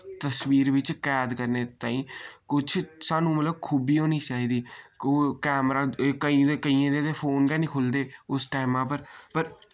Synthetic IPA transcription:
t̪əsʋiːɾʋɪt͡ʃkjaːd̪kəɾneːt̪aːĩːkʊt͡ʃʰsaːnũːmət̪ləb̚kʰuːbiːoːniːt͡ʃaːɦiːd̪iːkoːkɛːmɾaːkəĩːekəiːãːd̪eːt̪eːfʰoːnɡɛːnĩːkʰʊld̪eːʊsʈaːɪmãːp̬əɾpəɾ

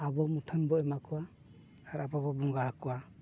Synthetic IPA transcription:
abɔmutʰənbɔɛmakʰɔwaː | ɾabɔbɔbɔŋɡahakɔwa

